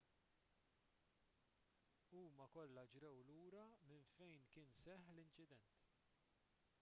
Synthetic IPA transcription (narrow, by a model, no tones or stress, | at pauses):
uːmɐkɔlːɐd͡ʒɾɛwluːɾɐmɪnfɛjnkɪːnsɛħlɪnt͡ʃɪd̪ɛnt̪